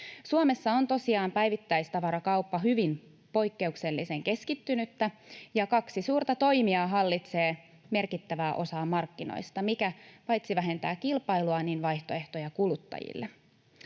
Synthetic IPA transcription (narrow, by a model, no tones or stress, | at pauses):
suome̞sːɑont̪o̞siɑːmpæjʋit̪ːæjst̪ɑʋɑɾɑkɑupːɑɦyʋin | po̞jkːe̞ukse̞lːise̞ŋke̞skit̪ːynyt̪ːæjɑkɑksisuːrt̪ɑt̪o̞jmiɑːɦɑlːit̪se̞ː | me̞rkit̪ːæʋæːʔo̞sɑːmɑrkːino̰jst̪ɑmikæpɑjt̪siʋæɦe̞nt̪æ̰ːkkilpɑjluɑninʋɑjht̪o̞e̞ht̪o̞jɑkulut̪ːɑ̰jḭlːe